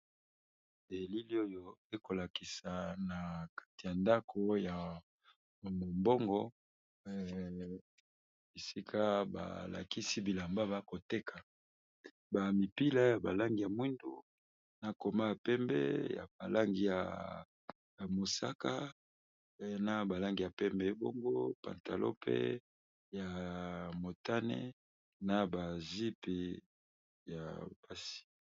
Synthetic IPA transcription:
de˨li˦li˦o˦jo˦e˦ko˨la˨ki˨sa˨na˨kḁ˦ti˨ja˨nda˦kʰo˦ja˨ | mo˨mbɔ˦ŋɡɔ˦ | e˨si˦kʰa˦ba̰˨la̰˨ki˦si˦bi˨la˨mba˦βa˦ko˨te˦kʰa˨ | ba˨mi˨pi˦la˦ja˨ba˨la˦ŋɡi˨ja˨mwi˦ndṵ˨ | na˨ko˨ma˦ja˨pɛ˦mbɛ̰˦ja̰˨ba˨la˦ŋɡi˨ja̰˨ | ja˨mo˨sa˦ka˦˨ | na˦ba˨la˦ŋɡi˨ja˨pɛ˦mbɛ˨˦bo˦ŋɡo˦pa̰˨nta˨lo̰˦pʰḛ˦ | ja˨mo˨ta˦nɛ̰˦ | na˨ba˨zi˦pe˨ | ja˨b̥a˦si̥˨

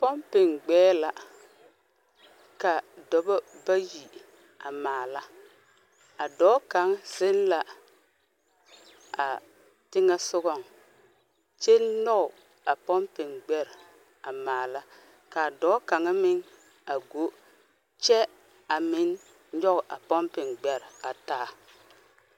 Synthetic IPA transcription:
pɔ˦mpɪ˨ŋɡ͡bɛː˦la˨ | ka˨dɔ˨bɔ˦ba˦ji˨ | a˨maː˨la˦ | a˨dɔː˨˦ka˨ŋ˦sɪ˦n˦la˨ | a̰˨ | tɪ˦ŋɛ˦sʊ˦ɣɔ˦ŋ | t͡ʃe˦nɔ˦ʊ˨ | a˨pɔ˦mpɪ˨ŋɡ͡bɛ˦ɾ | a˨maː˨la˦ | ka˨dɔ˨˦ka˨ŋa˦mɪ˦ŋ | a˨ɡo˨˦ | t͡ʃɛ˦ | a˨mɪ˦n | ɲɔ˦ɣʊ˨ʔa˨pɔ˦mpɪ˨ŋɡ͡bɛ˨ɾa˨taː˦˨

